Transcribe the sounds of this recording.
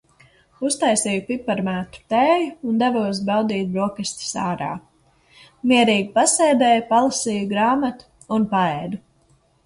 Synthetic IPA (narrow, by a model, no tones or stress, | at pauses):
ust̪ajsiːjupipaɾmæːt̪u̥t̪ɛːjuːnd̪ɛvuɔs̬bawd̪iːt̪̚bɾuɔkɛsʲt̪i̥saːɾa̰ː | miɛɾiːɡipasɛːd̪ɛːjpalˠasiːjuɡɾaːmat̪u̥ːnpaɛːd̪u